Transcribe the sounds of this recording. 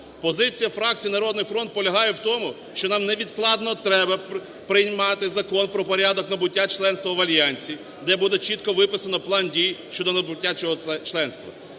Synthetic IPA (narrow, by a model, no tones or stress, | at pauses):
pɔzɪt͡sʲijɐfɾɑk̚t͡sʲijinɐɾɔd̪nɪjfɾɔnt̪̚pɔlʲɐɦɑjɛwt̪ɔmʊ | ʃt͡ʃɔnɑmnɛʋʲid̪klˠɑd̪nɔt̪ɾɛbɐ | pɾɪjmɑt̪ɪzɐkɔnpɾɔpɔɾʲad̪ɔknɐbʊtʲːat͡ʃlˠɛnst̪ʋɐʋɐlʲjɑnʲt͡sʲi | d̪ɛbud̪ɛt͡ʃit̪kɔʋɪpɪsɐnɔplˠɑndʲijʃt͡ʃɔd̪ɔnɐbʊtʲːat͡ʃɔɦɔt͡ʃlˠɛnst̪ʋɐ̰